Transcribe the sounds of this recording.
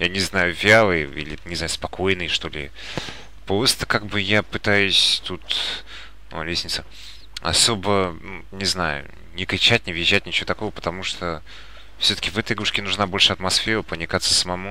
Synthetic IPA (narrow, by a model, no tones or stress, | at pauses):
janʲɪznajʊvʲalˠɨjḭlʲɪ̰nʲɪznajʊspɐkojnɨjʂt̪o̞lʲɪ | pɾost̪ə̥kaɡ̚bɨjapɨt̪ajʊsʲt̪ut̪ | o̰lʲesʲnʲɪt̪sə | ɐ̰so̞bənunʲɪznajʊ̰ | nʲɪkɾʲɪt͡ɕæt̚ʲnʲɪvʲjɪʑːætʲnʲɪt͡ɕɪvot̪ɐko̞vəpə̥t̪ɐmuʂt̪o | fsʲot̪ə̥kʲɪvɛt̪əjɡuʂkʲɪnʊʐnabo̞lʲʂɨɐt̪mɐsfʲeɾəpənʲɪkat̪sə̥səmɐmu